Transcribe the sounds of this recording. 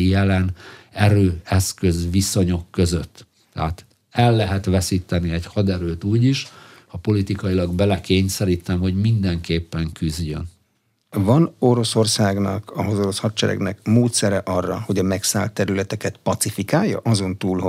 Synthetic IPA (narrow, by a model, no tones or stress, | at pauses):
ijɛlɛnɛɾøːɛskø̞zʋiso̞ɲo̞kːø̞zøt̪ː | ɛ̰ɦaːt̪ | ɛlːɛɦɛt̪ʋɛsiːt̪ɛniɛɟhɒd̪ɛɾøːt̪uːɟiʃhɒpo̞lit̪ikɒjilɒɡbɛlɛkeːɲsɛɾiːt̪ɛmho̞ɟmind̪ɛŋkeːpːɛŋkyzɟø̞̰n | vɒno̞ɾo̞so̞rsaːɡnɒ̰kɒɦozoɾoshɒt̪t͡ʃɛɾɛ̰ɡnɛkmoːt̪sɛɾɛʔɒrːɒho̞ɟɒmɛksaːlt̪ːɛɾylɛt̪ɛkɛt̪pɒt̪sifikaːjːɒ̰ʔɒzo̞nt̪uːlɦo